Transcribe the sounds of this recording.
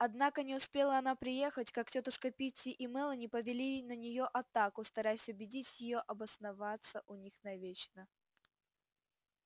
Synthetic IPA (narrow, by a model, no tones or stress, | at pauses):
ɐd̪nakənʲɪʊspʲe̞lˠəɐn̪apɾʲɪje̞xətʲkak̚tʲot̪əʂkəpʲitʲːɪʔɪmɛlˠənʲɪpəvʲɪlʲinənʲɪjoʔɐt̪akʊst̪ɐɾajɪsʲʊbʲɪdʲitʲjɪjoʔɐbəsnɐvat̪səʔʊnʲixnɐvʲet͡ɕnə